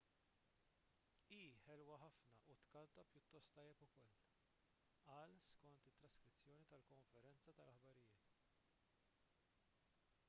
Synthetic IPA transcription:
iːħɛlwɐħɐfnɐʔut̪kɐnt̪ɐpjʊt̪ːɔst̪ːɐjːɛpʊkɔl | ɐːlskɔnt̪ɪt̪ːɾɐskɾɪt͡sːjɔːnit̪ɐlkɔɱfɛɾɛnt͡sɐt̪ɐlɐħbɐɾɪjɪːt̪

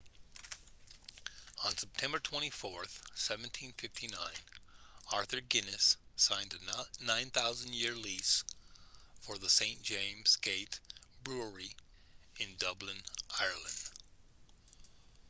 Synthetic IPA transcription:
ə̃nsɛp̚tʰɛ̃mbə˞tʰw̥ɛ̃ɾ̃ifɔɹθsɛvɨ̃n̩tʰĩnfɪftʰinãɪ̃nɑɹθə˞ɡɪnɨsãɪ̃ndɨnãɪ̃nθaʊzɨ̃ndjɪɹlis | fə˞ðəsẽɪ̃nd̥ʒ̥ẽɪ̃mz̥ɡ̥eɪɾb̥ɹu˞i | ɨ̃ndʌblɨ̃nʔaɪə˞lˠə̃nd̥

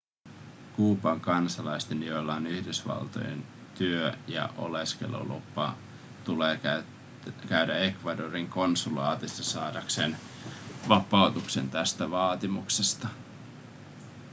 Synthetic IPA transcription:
kuːpɑŋkɑnsɑlɑjst̪eniolːɑːnyhdysʋɑ̰lt̪o̞̰jḛn | t̪yøjɑ̰ʔo̞̰leske̞̰lo̰lṵpːɑ̰ | t̪uleː | kæyɥdæekʋɑdoriŋko̞nsulɑːt̪isːɑsɑːdɑkse̞n | ʋɑpˑɑwt̪ukse̞̰nt̪æst̪æʋɑːt̪imuksest̪ɑ

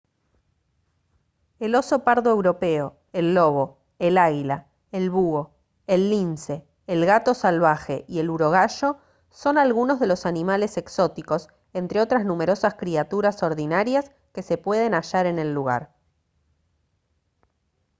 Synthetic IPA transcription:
elo̞so̞paɾðoe̞wɾo̞pe̞o̞ | elːo̞β̞o̞ | elaɣila | elβuo̞ | elːinse̞ː | lɣat̪o̞salβ̞axe̞ʔie̞luɾo̞ɣaʃo̞ | so̞nalɣuno̞zðe̞lo̞sanĩmale̞se̞kso̞t̪iko̞s | e̞nt̪ɾeo̞t̪ɾaznume̞ɾo̞saskɾiat̪uɾaso̞ɾðinaɾjas | ke̞se̞pwe̞ð̞e̞naʒaɾe̞ne̞lːuɣ̞a̰ɾ

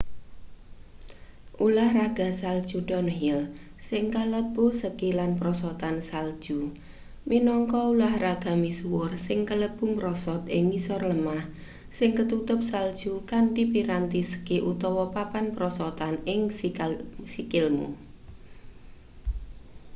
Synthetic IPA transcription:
ʔulahraɡ̥a̤sald̥ʒ̥uɖ̥ɔnɦɪl | sɪŋkaləb̥usəkilanpɾɔsɔt̪ansald̥ʒ̥u | minɔŋkɔulahraɡ̥a̤misuwʊrsɪŋkələb̥umɾɔsɔt̪ɪŋmisɔrləmah | sɪŋkət̪ut̪ʊp̚sald̥ʒ̥ukanʈipiɾant̪isə̥keʔut̪ɔwɔpapanpɾɔsɔt̪anɪŋ | sikɪlmṵ

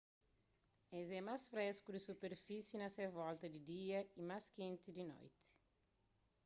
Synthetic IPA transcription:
ɛzɛmasfɾɛskud̪isupeɾfisjinɐsɛvɔlt̪ɐd̪id̪iɐimaskẽnt̪id̪inɔ̰jt̪i̥

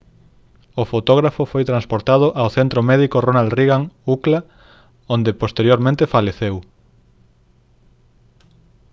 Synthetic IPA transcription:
ofot̪oɣ̞ɾafofojt̪ɾanspoɾt̪að̞ʊʔawθent̪ɾomɛðikoronald̪riɣaŋukla | õnd̪epost̪eɾjoɾmẽnt̪efaleθew

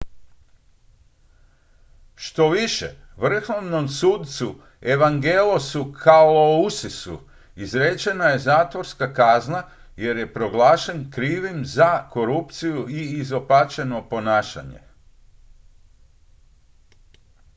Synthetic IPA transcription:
ʃt̪o̞ʋiʃḛʋr̩xoʋno̞msuːd̪t̪su | e̞ʋaŋɡelosukʰaolousisṵ | izɾet͡ʃe̞naje̞zaːt̪ʋo̞ɾskakazna | je̞ɾje̞pɾo̞ɡlaːʃe̞nkɾiːʋimzako̞ɾupt̪sijuiːzo̞pat͡ʃe̞no̞po̞naːʃa̰ɲḛ

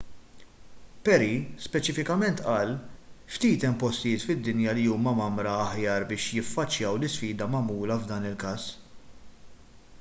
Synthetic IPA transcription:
pɛɾispɛt͡ʃɪfɪkɐmɛnt̪ʔɐːlft̪iːt̪ɛmpɔst̪ɪjɪːt̪fɪd̪ːɪnjɐliuːmɐmɐmɾɐːħjɐːɾbɪːʃjɪfːɐt͡ʃːjɐwlɪsfiːd̪ɐmɐmuːlɐvd̪ɐːnɪlkɐːs

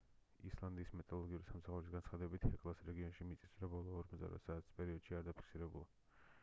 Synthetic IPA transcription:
islˠand̪iːsmɛt̪ʼalˠɔɡiuɾisamsaχuɾisɡant̪sχad̪ɛbit̪ʰhɛkʼlˠasɾɛɡiɔnʃimit̪sʼi̥sɾabɔlˠɔːɾmɔzd̪a̰ɾa̰t̪saːt̪ʰi̥spʼɛɾiɔd̪̥ʃiaɾd̪apʰi̥kʰsiɾɛbulˠa

